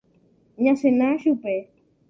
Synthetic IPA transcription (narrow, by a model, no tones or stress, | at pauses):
ɲãsenãʃupe